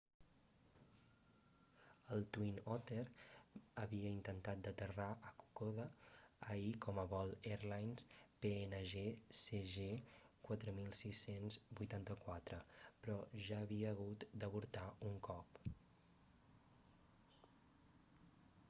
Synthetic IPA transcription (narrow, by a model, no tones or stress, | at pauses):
əlˠt̪winɔt̪eɾəβiəint̪ənt̪at̪̚d̪ət̪əraʔəku̥koβəəikɔməβɔlˠeɾlajnspeenəʒeseʒekwat̪ɾəmilˠsisenzbujt̪ant̪əkwat̪ɾəpɾɔʒaəβiəːɣ̞ut̪d̪əβuɾt̪auŋkɔp